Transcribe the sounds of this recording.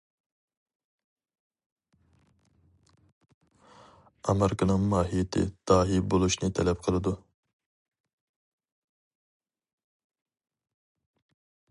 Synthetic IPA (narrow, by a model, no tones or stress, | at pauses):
ɑmeɾɪkɑnɨŋmɑːɦijet̪ʰɪ̰d̪̥ɑːɦibolˠuʃnɨt̪ʰɛlɛp̚qʰəlˠɨd̪u